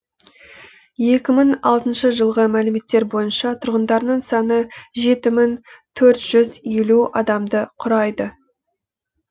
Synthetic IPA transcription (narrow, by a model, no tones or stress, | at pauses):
je̞kʲɪməɴɑlˠt̪ənʃəʒəlˠʁəmælɪme̞t̪ːe̞ɾbo̞jənʃɑt̪ʰʊɾʁənd̪ɑɾnəɴsɑnəʒe̞t̪ɪmɪŋt̪ʰɵɾt̪ʒ̥ʏze̞luɑd̪ɑmd̪əqʰʊɾɑjd̪ə